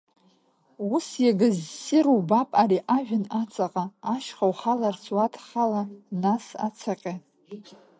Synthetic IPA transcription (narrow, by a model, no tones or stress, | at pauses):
usjaɡɨzsɪɾubapʼariʔaʒᶣɪnat͡sʼaqʼaːʃχawχalart͡sʰwatʰχalanasa̰t͡sʰaqʲʼa